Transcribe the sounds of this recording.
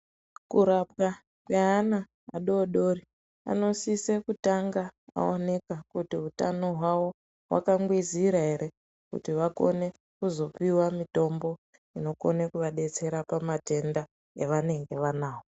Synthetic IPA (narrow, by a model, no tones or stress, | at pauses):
kuɾap̚ka | kweɦana | a̰ɗo̞ɗo̞ri | a̰no̞sise̞kutaŋɡaa̰one̞kakutiɦutano̞ɦwawo̞ | ɦwa̰kaŋɡwiziɾaɦe̞ɾe̞ | kṵtiʋako̞̰ne̞ | kuzo̞piwamito̞mbo̞ | ino̞ko̞nekuʋaɗe̞t͡se̞ɾapamate̞nda | eʋane̞ŋɡe̞ʋanaːwo